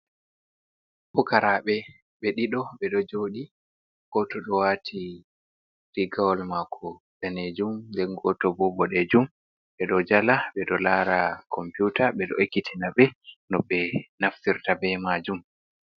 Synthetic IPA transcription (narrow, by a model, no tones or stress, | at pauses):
fɔkaɾaɓɛ | ɓɛɗiɗɔɓɛɗɔd͡ʒoɗi | ɡ̥ɔtɔɗɔwatʰi | ɾiɡawɔlmakʰɔ | ɗaned͡ʒumndɛnɡɔtɔbɔbɔɗɛd͡ʒum | ɓɛɗɔd͡ʒalaɓɛɗɔlaːɾakʰɔmpjutaɓɛɗɔ̰ekːitʰinaɓɛnɔɓɛnaftiɾtabɛmaːd͡ʒum